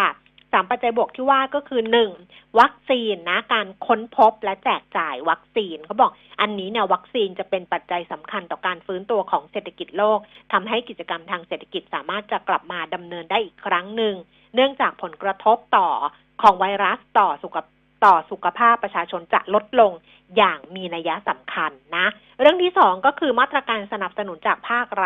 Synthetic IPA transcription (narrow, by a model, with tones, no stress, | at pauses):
kʰa˥˩ | saː˩˦mpa˨˩t̪̚t͡ɕa˧jbu˨˩ək̚t̪ʰiː˥˩waː˥˩kɔː˥˩kʰɯː˧nɯ˨˩ŋ | wa˦˥k̚siː˧nːa˦˥kaː˧nkʰo˦˥npʰo˦˥p̚lɛ˦˥t͡ɕɛː˨˩k̚t͡ɕaː˨˩jwa˦˥k̚siː˧nkʰa˦˥wbɔː˨˩k̚ʔa˧nːiː˦˥ni˥˧˩wa˦˥k̚siː˧nt͡ɕa˨˩pe˧npa˨˩t̪̚t͡ɕa˧jsa˩˦mkʰa˧nt̪ɔː˨˩kaː˧nfɯː˦˥nt̪u˧ɐkʰɔː˩˦ŋse˨˩t̪ʰḁ˧ki˨˩t̪̚loː˥˩k̚t̪ʰa˧mɦa˥˩jki˨˩t̪̚t͡ɕa˧ka˧mt̪ʰaː˧ŋse˨˩t̪ʰːa˧ki˨˩t̪̚saː˩˦maː˥˩t̪̚t͡ɕa˨˩kla˨˩p̚maː˧da˧mnɤː˧ndaː˥˩jʔiː˨˩kʰːɾa˦˥ŋnɯ˨˩ŋ | nɯ˥˩əŋt͡ɕaː˨˩k̚pʰo˩˦nkɾa˧t̪ʰo˦˥p̚t̪ɔː˨˩ | kʰɔː˩˦ŋwa˧jɾa˦˥st̪ɔː˨˩su˨˩˧ | t̪ɔː˨˩su˨˩kʰa˧pʰaː˥˩pːɾa˧t͡ɕʰaː˧t͡ɕʰo˧nt͡ɕa̰˨˩ʔlo˦˥t̪̚lo˧ŋ | jaː˨˩ŋmiː˧na˧ja˦˥sa˨˩˦mkʰa˧nːa˦˥ | ɾɯ˥˩əŋt̪ʰiː˥˩sɔː˩˦ŋkɔː˥˩kʰɯː˧maː˥˩t̪ːɾaː˧kaː˧nsa˧na˨˩p̚sa˧nu˩˦nt͡ɕaː˨˩k̚pʰaː˥˩k̚ɾ